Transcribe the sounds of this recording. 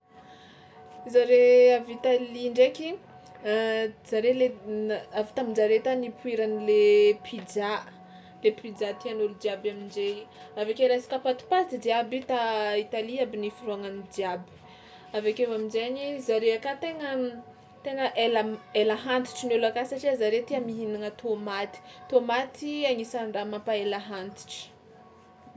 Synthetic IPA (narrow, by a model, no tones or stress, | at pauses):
zaɾeavit̪aliɳɖ͡ʐekʲi | z̥aɾeleavi̥t̪amid͡ʒaɾet̪anipuiɾanilepʰid͡ʒa | lepid͡ʒat̪ianolud̪iabamind͡ʒeavekeɾasi̥kapat̪u̥pad̪id̪iabit̪ait̪aliabinifuɾuaŋanid̪jabi̥ | avekevaminzeɲizaɾeakat̪eŋə | t̪eŋəʔelaelaɦant̪i̥ʈ͡ʂinelakasaʈ͡ʂiazaɾet̪iamiɦinaŋət̪ʰomat̪i̥t̪omat̪iaŋisaɳɖ͡ʐamapaelaɦant̪i̥ʈ͡ʂi̥